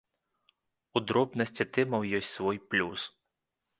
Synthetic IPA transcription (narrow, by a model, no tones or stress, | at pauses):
ud̪ɾɔbnɐsʲt͡sʲit̪ɪmɐwjɔsʲtʲsvɔjplʲus